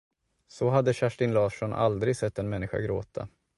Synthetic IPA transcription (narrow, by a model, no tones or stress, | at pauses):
sɔɦad̪ːəɕæʂʈɪnlɑːʂɔnʔa̰ld̪ɾɪɡsɛt̪ːɛnmɛnːɪɧa̰ɡɾo̰ːt̪ʰa